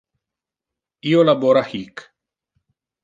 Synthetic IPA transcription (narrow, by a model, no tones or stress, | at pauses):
ijolaboɾahiːk